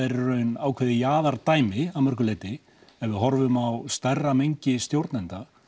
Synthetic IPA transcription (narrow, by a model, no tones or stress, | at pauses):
ejɾɪɾœɥnaːwkʰvɛðɪjaːðaɾt̪aːjmɪawmœɾ̥kʏlɛːjt̪ɪ | ɛvɪðɦɔɾvʏmawst̪arːamejɲcɪst̪jowɾt̪nɛnt̪a